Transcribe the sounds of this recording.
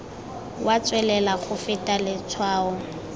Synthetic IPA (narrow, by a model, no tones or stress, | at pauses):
wat͡sʼwɛlɛlaχʊfɪtʼalɪt͡sʰwaːʊ